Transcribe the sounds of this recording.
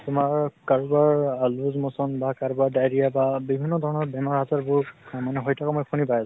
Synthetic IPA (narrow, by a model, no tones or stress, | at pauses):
tʊmaɹkaɹubaɹaluzmɔsɔnbakaɹubaɹdajɹijababibʱinːɔdʱɔɹɔnɔɹbɛmɔɹazaɹbʊɹmanɛɦɔjtʰakɔmɔjpʰunipajas